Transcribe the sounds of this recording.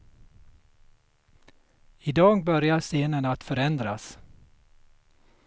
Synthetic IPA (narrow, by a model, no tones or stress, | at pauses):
ɪd̪ɑːɡbœɾjaseːnənat̪fœɾɛnd̪ɾas